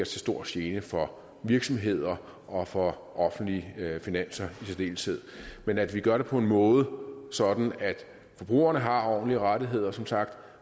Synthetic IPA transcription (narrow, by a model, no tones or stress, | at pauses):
ɐt͡sʰe̝sd̥o̝ɐ̰sjeːnəfɒ̽ | ʋiɐɡ̥sɒ̽mɦe̝ð̰ˠɐ | ʔɒ̽fɒ̽ | ʔɒ̽fn̩d̥liəfinæn̰sɐisid̥e̝̰ːlsʰeð̞̰ˠmenæd̥ʋiɡ̥ɶɐɾe̝pʰɒ̽e̝nmɔ̽ːð̞ˠəsɒ̽d̥n̩æd̥ | fɒ̽b̥ʁṵːɐnəɦɑ̈ɒ̰ːnliəʁaɾiɦe̝ð̞̰ˠɐsɒ̽msɑ̈ɡ̥d̥